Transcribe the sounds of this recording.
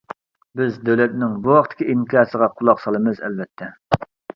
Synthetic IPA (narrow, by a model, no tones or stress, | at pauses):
bɪzd̪øwlɛt̪nɪŋbuwɑqt̪ʰɪ̥kʲiʔiŋkʲʰɑːɾsəʁɑqʰʊlˠɑqsɑlˠɨmɨzɛ̰lvɛt̪ʰːɛ